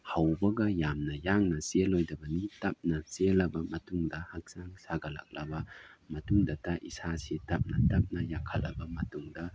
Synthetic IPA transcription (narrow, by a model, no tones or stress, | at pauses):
hawbɐɡɐjamnɐjaŋnɐselojdɐbɐnitɐp̚nɐselɐbɐmɐtuŋdɐhak̚saŋsaɡɐla̰k̚lɐ̰bɐ | mɐtuŋdataʔisasetɐp̚nɐtɐp̚nɐjakʰɐlɐ̰bɐmɐtuŋdɐ